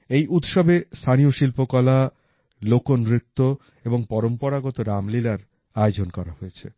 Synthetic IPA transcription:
ejʔut̪ʃɔbest̪ʰanioʃilpokɔla | lokonɾit̪ːo | eboŋpɔɾompɔɾaɡɔt̪oɾamlilaɾ | aeod͡ʑonkɔɾaɦoet͡ɕʰḛ

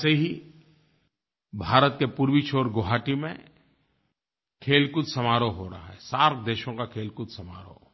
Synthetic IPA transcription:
seɦi | bʱaːɾət̪̚kepuːɾwit͡ʃʰoːɾɡoɦaːʈimḛ̃ | kʰeːlkʊt̪sɐmaːɾoɦoɾaɦaɦɛsaːɾkʰd̪eːʃõkakʰeːlkʊd̪sɐma̰ːɾo̰

